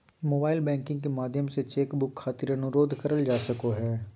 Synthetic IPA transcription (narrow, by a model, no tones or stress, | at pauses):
moːbaːɪlbɛ̃ːŋkɪ̃ŋɡkemaːd̪ʱjəmset͡ʃeːkbʊkʰːaːt̪ɪɾɐnʊɾoːd̪ʱkɐɾəld͡ʒaːsɐkoɦɛː